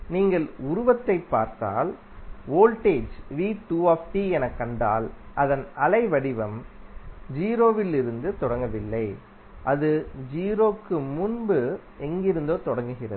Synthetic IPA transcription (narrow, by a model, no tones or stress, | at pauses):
niːŋɡɐɭʊɾʊʋɐt̪ːɐɪpːaːɾt̪a̰ːl | oːlʈeːd͡ʒʋiːʈuːaːfʈiɛnɐkːɐɳɖa̰ːlʔɐðɐnɐlɐɪʋɐɽɪʋɐm | d͡ʒiːɾoːʋɪlɪɾɯnd̪ɯt̪ɔɽɐŋɡɐʋɪlːɐɪ | ʔɐðɯd͡ʒiːɾoːkːɯmʊnbɯ | ɛŋɡɪɾɯnd̪oːt̪ɔɽɐŋɡɯɣɪrɐ̰ðɯ